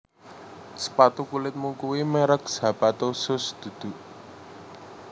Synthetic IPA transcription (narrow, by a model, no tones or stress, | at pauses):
sə̥pat̪ukulɪt̪̚muŋkuwimeɾəkz̥a̤pat̪osʊsd̪̥ṳd̪̥ṳʔ